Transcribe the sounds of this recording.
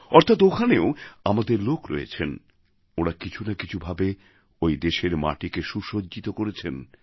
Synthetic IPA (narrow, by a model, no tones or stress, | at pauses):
ɔɾt̪ʰat̪okʰaneoamad̪eɾlokɾɔ̰jḛt͡ɕʰen | oɽakit͡ɕʰunakit͡ɕʰubʱabe | ojd̪eʃeɾma̰ʈikeʃuʃodd͡ʑit̪okoɾet͡ɕʰen